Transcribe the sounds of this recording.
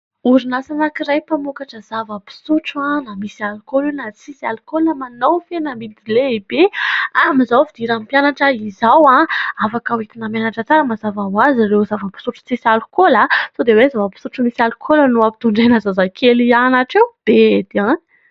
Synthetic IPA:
uɾinasanakirajpamukaʈ͡ʂəzavəpi̥suʈ͡ʂãnamisialukolinat͡sisialukoləmanowfenamid̪ileibeamizawfid̪iɾampjanaʈ͡ʂəizawãafakawit̪inamanaʈ͡ʂət͡saɾəmazavawazirewzavəpi̥suʈ͡ʂu̥t͡sisalukolasod̪ewezavəpi̥suʈ͡ʂumisialukʰolənuapi̥t̪uɳɖ͡ʐenəzazakʰelianaʈ͡ʂewb̥ed̪iã

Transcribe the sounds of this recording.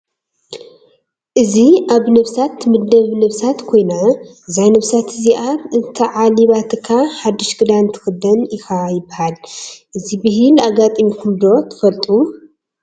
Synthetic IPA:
ʔɨziʔaβnɐβsat̪mɨd̪ɐβnɐβsat̪kʰo̞jnaɨzajnɐβsat̪ʰɨziʔatɨt̪ʰɐʕaliβat̪ʰɨkʰaħad̪ːɨʃɡɨd̪ant̪ʰɨ̥xɨd̪ɐnixajɪbːɐhalʔɨzibɨɦɨlaɡat̪ʼɨmikʰumd̪o̞t̪ʰɨ̥fɐlt̪ʼu

